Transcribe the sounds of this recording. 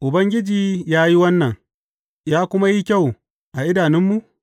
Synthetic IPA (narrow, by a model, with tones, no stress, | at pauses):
ʔʊ˨bɐ˦ŋɡʲɪ˦d͡ʒiː˨jaː˦ji˦wɐ˦nːɐ˨ŋ | jaː˦kʷʊ˦ma˦ji˦kʲa˦˨w | ʔa˨ʔɪ˦daː˨nɪ˦mːu˨ʔ